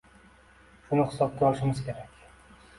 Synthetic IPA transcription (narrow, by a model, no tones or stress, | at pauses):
ʃʊnɪhɪ̥sɒb̚kʲaɒlˠɪʃɪmɪzkʲʰeɾakʲ